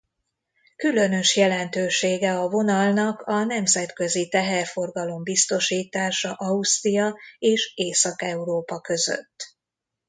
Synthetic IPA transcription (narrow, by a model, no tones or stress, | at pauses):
kylø̞nø̞ʃjɛlɛnt̪øːʃeːɡɛɒvo̞nɒlnɒkɒnɛmzɛt̪kø̞zit̪ɛɦɛrfo̞rɡɒlo̞mbist̪o̞ʃiːt̪aːʃɒʔɒust̪rijɒeːʃeːsɒkɛuɾoːpɒkø̞zø̰t̪ː